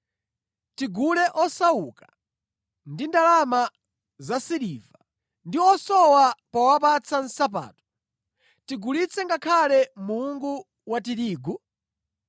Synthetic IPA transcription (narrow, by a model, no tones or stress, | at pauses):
tiɡulɛʔɔsauka | ndindalama | zasiɾiːva | ndiɔsɔwapawap̬at͡sʰan̩sap̬a̰ːtɔ̥ | tiɡulit͡sʰɛŋɡakʰalɛmuuŋɡu | watiɾiːɡu